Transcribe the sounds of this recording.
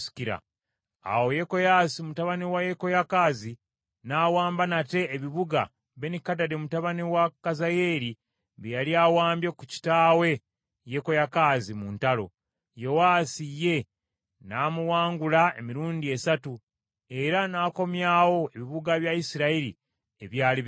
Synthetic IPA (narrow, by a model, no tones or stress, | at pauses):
si̥kiɾa̰ | a̰wo̞jeko̞jaːsimutaβanewajeko̞jakaːzi | naːwaːmbanate̞ːβiβuɡa̰ | βe̞nikadademutaβanewakazaje̞ːɾi | βejaliaːwaːmbjekuci̥taːwe̞ | jeko̞jakaːzimuntalo̞̰ | jo̞waːsijːe̞ | naːmuwaːŋɡulaḛmiɾuːndie̞satu | e̞ɾanaːko̞mjaːwo̞e̞βiβuɡaβjaisiɾaiɾḭ | eβjaːli